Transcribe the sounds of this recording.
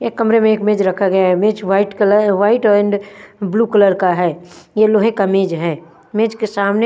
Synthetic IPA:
jekɐmɾemẽeːkmeːd͡ʒɾɐkʰaɡɐjaɦɛmeːd͡ʒʋaːɪʈkələʋaːɪʈɔːɾẽɳɖbluːkələɾkaɦɛːjeloːɦekameːd͡ʒɦɛː | meːd͡ʒkesaːmne

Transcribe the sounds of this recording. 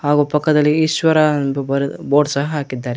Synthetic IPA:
haːɡuːpɐkːɐd̪ɐlːiːʃʋɐɾanbɐɾboːɖsɐɦɐɦaːkid̪ːaːɾe

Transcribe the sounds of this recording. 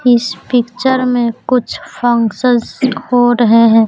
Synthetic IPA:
ɪspɪkt͡ʃəɾmẽkʊt͡ʃʰpʰɔ̃ŋsəskʰoːɾəɦeɦɛ̃ː

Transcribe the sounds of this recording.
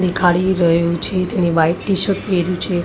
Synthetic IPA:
ɽikʰaɭiɾəɦut͡ʃʰet̪eniʋajʈiʃətpeɾjũt͡ʃʰe

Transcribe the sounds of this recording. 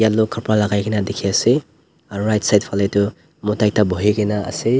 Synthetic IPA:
jaukʰaɾpɾalaɡajɡinadikʰeɐsi | ɾajtsajt̚pʰaletu | mutajtaboɦiɡinaɐ̰si

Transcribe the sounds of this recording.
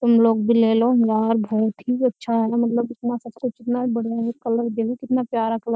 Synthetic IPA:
t̪ʊmloːɡ̚bʱileːloɦnɡ̪aːɾbʱɔːt̪ɦiɐtːʃʰaɦɛnamɐt̪ləbɪt̪nasɐb̚kʊt͡ʃɪt̪nabəɽ̤jaekɐləɾd̪elikɪt̪napjaːɾakʰlo

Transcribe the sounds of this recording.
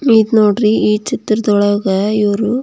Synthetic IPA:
miːd̪noːɖɾiiːt͡ʃit̪ːɾɐd̪ɔɭɐɡɐiʋɐɾu

